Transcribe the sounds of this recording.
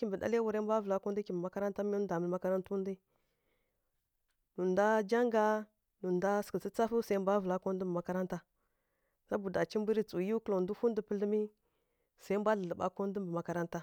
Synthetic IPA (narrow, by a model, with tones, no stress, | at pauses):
ki˦mbə˨da̰˦le˦wu˨ɾe˦mbʷa˦və˨a˦ko˦n˦di˦ki˨mbə˨ma˦ka˦ɾa˦nta˦mi˦u˦da˨mə˨lma˦ka˦ɾa˦ntu˦ndi˦ | nu˨nda˦d͡ʒa˦ŋɡa˦ | nu˨nda˦skə˨t͡sə˦t͡sa˦fu˦sa˨i˦m˦bʷa˦və˨la˦ko˦n˦də˦mbə˨ma˨˦ka˦ɾa˦nta˦ | a˦bu˨da˨t͡ʃi˦mbi˦ɾi˦t͡su˨ju˦klo˨du˦fu˦ndə˦pə˦lə˦mi˦ | sa˨i˦mbʷa˦ɮə˨ə˨ɓa˦ko˦n˦də˦mbə˨ma˨˦ka˦ɾa˦nta˦